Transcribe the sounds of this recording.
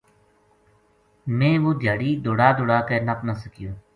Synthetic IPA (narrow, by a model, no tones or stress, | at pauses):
mẽːʋoːd̪ʱjaːɽiːd̪oːɽaːd̪oːɽaːkeːnəpnəsəkɪjõː